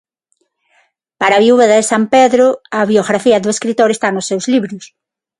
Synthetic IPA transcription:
paɾaβiuβeðaðɪsampeðɾʊɐβjoɣɾafiɐðʊeskɾit̪oɾest̪anʊsewzliβɾʊs

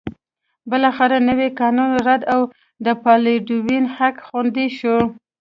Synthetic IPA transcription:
bəlɑxaɾanəwekɑnunɾad̪aw | d̪əpɑleɖuwinhakxund̪iʃu

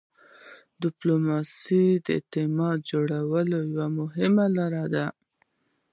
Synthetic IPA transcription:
d̪ɪplomɑsid̪əɪ̰t̪ɪmɑt̪̚d͡ʒoɽawəlojawamʊɦɪmalaɾad̪a

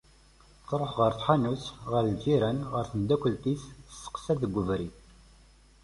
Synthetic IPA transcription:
θɾˤoħʁəɾθħanusʁəɾld͡ʒiɾænʁəɾθənd̪ækʷːəlt̪issːə̥qsæðəɡʷːəvɾi

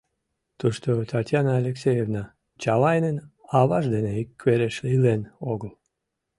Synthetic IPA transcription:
t̪uʃt̪ot̪ʰɑt̪ʲjanəːlʲeksʲejevnɑ | t͡ɕɑlɑjnenɑβɑʒd̪eneikːβeɾeʃlilenoɣəl

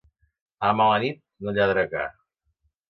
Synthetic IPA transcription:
amawanit̪̚nuʎaðɾəka̰

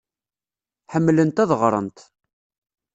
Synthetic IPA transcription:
ħəmːlənt̪æðʁɾˤə̰nt̪

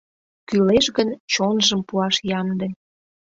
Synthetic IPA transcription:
kyleʃɣənt͡ɕonʒəmpuɑʃjɑnd̪ĕ

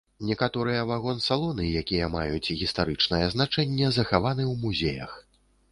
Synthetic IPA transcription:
nʲɛkat̪ɔɾɨjɐvaɣɔnsalˠɔnɨjakʲijɐma̰jut͡sʲɣʲist̪aɾɨt͡ʂnɐjɐznat͡ʂɛnʲːɛzɐxavan̪ɨwmuzʲejɐ̰x

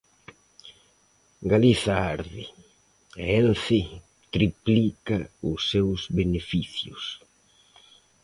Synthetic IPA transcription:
ɡaliθaaɾðɪ | ɛnθɪ | t̪ɾiplikaʊsːewzbenefiθjʊ̰s

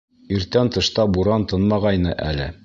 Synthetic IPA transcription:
iɾt̪ænt̪ɤ̆ʃt̪ɑbuɾɑnt̪ɤnmɑʁɑjnɤʔæ̰lɘ

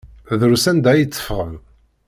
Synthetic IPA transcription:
ðɾusænd̪æjət͡sːə̥fʁəm

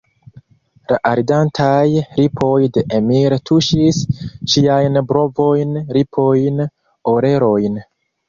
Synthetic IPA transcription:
laʔaɾdantʰajɾipʰo̞jde̞ʔemiɾtʰuʃisʃiajnbɾo̞vo̞jnɾipʰo̞jn | oɾe̞ɾo̞jn

